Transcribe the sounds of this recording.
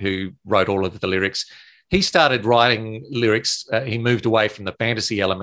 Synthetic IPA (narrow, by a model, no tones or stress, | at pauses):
hʉɹoʊɾɔlˠʌvðəlɪɹɨks | histɑɹɾɨd̚ɹaɪɾɪ̃ŋlɪɹɨksimʉvdəweɪfɹʌ̃mðɨfæ̃ntɨsiɛlˠəmɨ̃